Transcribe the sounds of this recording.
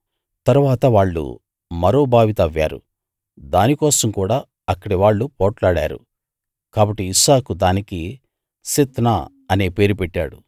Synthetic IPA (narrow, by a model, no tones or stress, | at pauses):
t̪ɐɾuʋaːt̪ɐʋaːɭːṵ | mɐɾo̞ːbʱaːʋit̪ɐʋja̰ːɾṵ | d̪aːnikɔːsɐmkuːɽaː | ɐkːɐɽiʋaːɭːupɔːʈlaːɽa̰ːɾṵ | kaːbɐʈːiːsaːkud̪aːniki | sit̪naː | ɐneːpe̞ːɾupɛʈːa̰ːɽṵ